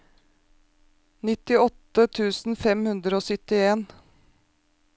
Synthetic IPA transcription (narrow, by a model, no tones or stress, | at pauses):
nɪt̪ɪɔt̪ət̪ʰʉːsn̩fɛmhʉnd̪ɾəoːsʏt̪ɪeːn